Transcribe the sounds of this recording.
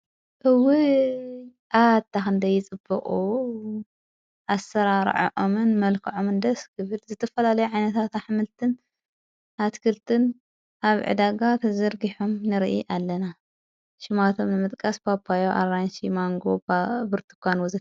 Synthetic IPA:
ʔɨwɨ | ʔad̪̚t̪ʰːaxɨnd̪ɐjːɪt͡sʼɨbːɨkʼu | ʔasɐɾaɾ̰ʕo̰ʕomɨnmɐlkʰɨʕomɨnd̪ɐskʰɨβɨlzɨt̪ʰɐfɐlalɐjuʕajnɐt̪ʰat̪aħmɨlt̪ʰɨn | at̪kʰɨlt̪ʰɨn | ʔaβʕɨ̰d̪aɡat̪ʰɐzɐɾɡiħomnɨɾʔiʔalːɐna | ʃɪmat̪ʰo̞mnɨmɨt̪ʼkʼɐspapʰːajoʔa̰ɾanʃimaŋɡobbɨɾt̪ʰɨ̥kʰʷanwɔzɨ

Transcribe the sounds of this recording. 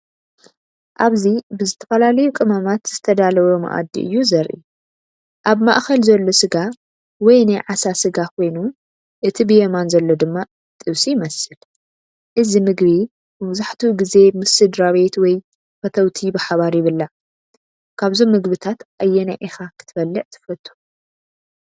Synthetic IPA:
ʔaβzibɨzɨt̪ʰɐfɐlalɐjukʼɨmamat̪z̥ɨt̪ʰɐd̪alɐwomɐ̰ʔa̰d̪ːḭʔɨ̰jːuzɐɾʔḭ | ʔaβma̰ʔxɐlzɐlːo̞sɨɡa | wɔjnajʕasasɨɡakʰo̞jnu | ʔɨt̪ʰibɨjemanzɐlːo̞d̪ɨmːa | t̪ʼɨβsijmɐsɨl | ʔɨzimɨɡbi | mɨβzaħt̪ʰuɡize̞mɨsɨd̪ɾaβe̞t̪wɔj | fɐt̪ʰɐwt̪ʰibɨħaβaɾjɪβɨlːa | kʰaβzomːɨɡbɨt̪ʰat̪ʔajːɛnaʕixakʰɨ̥t̪ʰɨ̥fɐlːɨʕt̪ʰɨ̥fɐt̪ʰʼːu̥

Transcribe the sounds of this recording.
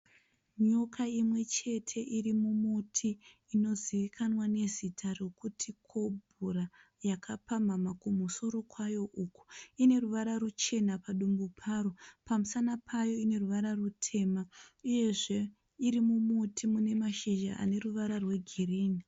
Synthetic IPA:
ɲokʰaimwe̞t͡ʃe̞tʰe̞ʔirimumutʰiː | no̞ziʋikʰanwane̞zitʰaro̞kutʰikʰo̞bʱura | jakʰapamamakumuso̞ɾo̞kwajo̞ʔuku̥ine̞ruʋaɾarut͡ʃe̞napaɗumbupʰaːɾopamusanapʰajo̞ine̞ruʋaɾarutʰe̞ːmauje̞ʐe | iɾimumutʰimune̞maʃiʒaʔa̰ne̞ruʋaɾarwe̞ɡʱiriːni

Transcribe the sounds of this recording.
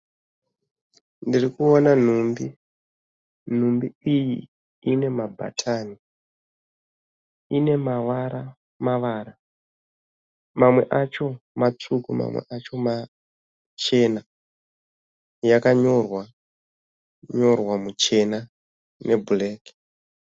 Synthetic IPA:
ndirikuonan̤umbi | n̤umbiijḭ | ine̞mabʱa̰tʰani | ine̞maʋaɾa | maʋaːɾa | mamwe̞ʔat͡ʃo̞mat͡sukuma̰mwḛʔat͡ʃo̞ma | t͡ʃe̞na | jakaɲo̞rwa | ɲo̞rwamut͡ʃe̞na | nʔe̞buleːki̥

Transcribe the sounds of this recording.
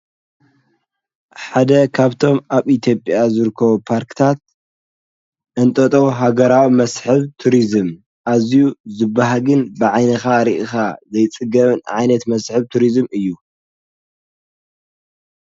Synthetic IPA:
ħad̪ɐkʰaβt̪ʰo̞mʔaβit̪ʰjo̞pʼjazɨɾɨkʰːɐβupʰaɾkt̪ʰat̪̚ | ʔɨnt̪ʼɐt̪ʼowɦaɡɐɾawimɐsħɨβt̪ʰuɾizɨm | ʔazijuzɨbːaɦaɡɨnbɨʕajnɐxaɾiʔɨxazɐjt͡sʼɨɡɐβɨnʕajnɐt̪mɐsħɨβt̪ʰuɾizmɨjːu

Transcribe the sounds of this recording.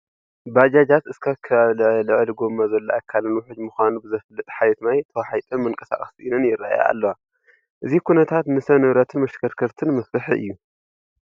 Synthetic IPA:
bad͡ʒad͡ʒat̪ɨskʰakʰːɐβalʕlɨʕliɡomːazɐlːoʔakʰːalnuħʊd͡ʒmuxʷanubɨzɐflːɨt̪ʼħajɛt̪najt̪ʰɐwaħajt̪ʼɨnmɨnkʼɐ̥sa̰χʼɐsiʔinɐnjɪrːa̰a̰ja̰ʔa̰lːɐwa | ʔɨzikʰunɐt̪ʰat̪nɨsɐnɨβɾɐt̪ʰɨnmɐʃkʰɐɾkʰɐɾt̪ʰɨnmɐft̪ɨħiʔɨ̰jːu

